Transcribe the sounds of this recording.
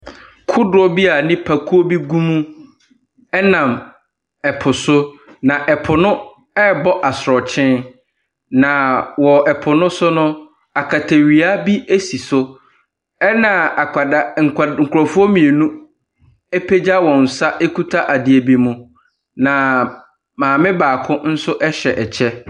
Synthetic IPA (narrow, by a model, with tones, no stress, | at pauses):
kʰʊ˦dʊ˨˦ɔ˦bi˦a˨nɪ̃˦pʰa˨kʰu˦o˦bi˦ɡũ˦mũ˦ | ɛ˦nã˨m | ɛ˨pʰʊ˨sʊ˦nã˨ʔɛ˨pʰʊ˨nʊ̃˦ | ɛ˦bɔ˦ʔa˨sɾɔ˨t͡ɕʰɪ̃˦ | nã˨wɔ˨ɛ˨pʰʊ˨nʊ̃˦sʊ˦nʊ̃˦ | a˨kʰa˨tʰe˨ɥi˨a˦bi˦e˦si˨sʊ˦ | ɛ˦nã˨a˨kʰa˨da˦ŋ̩˨kŋ̩˨kʰʊ˨ɾɔ˨fʊ˦o˦mĩ˨e˨nũ˦ | e˦pʰe˦d͡ʑa˦wɔ̃˨n̩˨sa˦ʔe˦kʰu˦tʰa˦ʔa˨dɪ˨˦e˨bi˦mũ˦ | nã˨ | mãː˨mɪ̃˦baː˨kʰʊ̃˦n̩˦sʊ˦ʔɛ˦ɕɛ˨ʔɛ˨t͡ɕʰɛ˦